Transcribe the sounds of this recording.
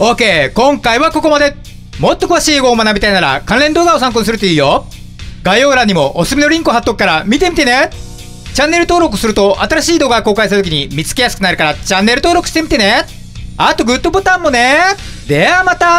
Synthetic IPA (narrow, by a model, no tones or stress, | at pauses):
oːke̞ːkõ̞ŋkaiβako̞ko̞mad̪e̞ | mo̞t̪ːo̞kɯ̟βaɕiːeːɡo̞ːmanabʲit̪ainaɾa̰kãɾẽ̞nd̪oːɡao̞s̬ãŋk̬onis̬ɨɾɯt̪oiːjo | ɡaio̞ːɡɯɾãɲ̟ːimo̞ʔosɨmʲino̞ɾʲĩŋkoɦat̪ːo̞kɯ̥kaɾamʲit̪e̞mit̪e̞ne̞ | t͡ɕãnːe̞ɾɯ̟t̪oːɾo̞k̬ɯ̟̥sɨɾɯ̟t̪o̞ʔat̪aɾaɕiːd̪o̞ːɡako̞ːkaisaɾɯt̪ok̬ʲiɲ̟imʲit͡sɨ̥ke̞jasɨ̥kɯnaɾɯ̟kaɾat͡ɕãnːe̞ɾɯ̟t̪o̞ːɾo̞kɯ̟̥ɕi̥t̪emʲit̪e̞ne̞ | at̪o̞ɡɯ̟t̪ːobɯt̪ãmːo̞ne | d̪eamat̪a